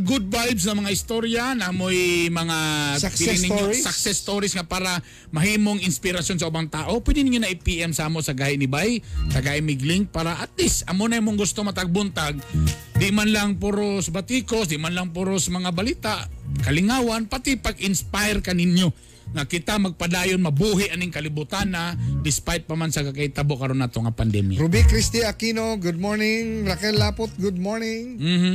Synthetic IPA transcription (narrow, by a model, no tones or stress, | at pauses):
ɡʊd̪̚bajbsnɐmɐŋahɪst̪oɾjanɐmojmɐŋaiɪnɪɲːosaksɛst̪oɾɪsŋapaːɾa | mɐhiːmoŋɪnspɪɾasjons̬ɐʔubaŋt̪aːʔo̞pwɛd̪ɪnɪɲonaʔipiʔɛmsaːmoʔsɐɡaːhɪʔnɪbajt̪ɐɡaʔɪmɪɡlɪŋ̚paːɾaʔat̪̚lɪsɐmonɐmoŋɡʊst̪omɐt̪aɡ̚bʊnt̪aɡ̚ | d̪ɪʔmanlaŋpʊɾosbat̪ikosd̪ɪʔmanlaŋp̬ʊɾosmɐŋabaliːt̪aʔkɐlɪŋaːwanpat̪ɪpaɡʔɪnspajɾkanɪnjo | ŋakɪt̪amɐɡ̚pad̪aːjonmɐbuhɪʔanɪŋkɐlɪbʊt̪anad̪ɪspajt̪̚pamansɐkakait̪aboʔkaɾonat̪oŋapand̪ɛmja̰ɾubikɾist̪iakinoɡud̪̚moɹnɪŋɾakɛlːapot̪̚ɡud̪̚moɹnɪŋm̩ːh̩